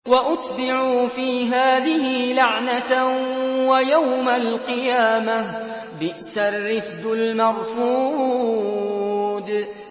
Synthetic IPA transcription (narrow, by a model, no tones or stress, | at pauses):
waʔʊt̪bɪʕuːfiːɦaːðɪhɪlaʕna | wajawmalqɨjaːma | bɪʔsarːɪfblmɑɣfuː | d̪